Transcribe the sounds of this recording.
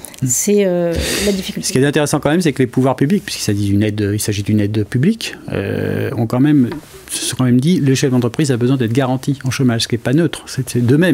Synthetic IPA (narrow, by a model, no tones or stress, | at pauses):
sɛølad̪ifi̥kʲylsə̥kiɛt̪ɛ̃t̪eʁɛsɑ̃kɑ̃mɛmsɛklepuvwaʁpyblik̚pɥiskilsaʒid̪ynɛd̪ilsaʒid̪ynɛd̪pyblikø̰ɔ̃kɑ̃mɛm | sə̥sɔ̃kɑ̃mɛmd̪ileʃ̬ɛvd̪ɑ̃t̪χəpχizabəzwɛ̃d̪ɛt̪χɡaʁɑ̃t̪iɑ̃ʃəmaʒsə̥kʲɛpanøt̪χsɛsɛd̪əmɛm